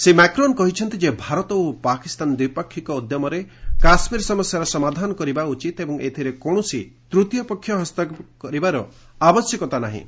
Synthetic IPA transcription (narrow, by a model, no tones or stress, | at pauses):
semakɾɔnkɔɦit͡ʃʰɔnt̪id͡ʒebʱaɾɔt̪ɔopakist̪and̪wipɔkʰːikɔːd̪jɔmɔɾekasmiɾsɔmɔsjaɾɔsɔmad̪ʱanɔkɔɾibaut͡ʃit̪ebɔŋet̪ʰiɾekoɽ̃ɔsit̪ɾut̪jɔpɔkʰːjɔɦɔst̪akɔɾibaɾɔ | abɔsjɔkɔt̪anaɦḭ̃